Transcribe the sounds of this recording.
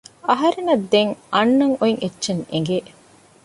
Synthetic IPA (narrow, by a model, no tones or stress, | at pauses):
ɐɦɐɾenɐd̪ːeŋʔɐnːɐŋoiŋʔetːʃeŋeŋɡe